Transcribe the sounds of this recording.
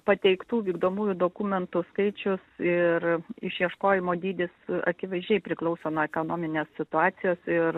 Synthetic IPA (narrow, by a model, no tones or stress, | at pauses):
pɐt̪ʲɛɪkt̪uːʋʲiːɡd̪oːmuːjʊd̪oːkumʲɛnt̪ʊskɐɪt͡ʃʲʊsɪɾɪʃjiɛʃkoːjɪmoːd̪ʲiːd̪ʲɪsɐ̰kʲɪʋɐɪzʲd͡ʒʲɛɪpʲɾʲɪklˠɐʊsoːnoːɛkonoːmʲɪnʲeːssʲɪt̪ʊɑːsʲɪjoːsɪɾ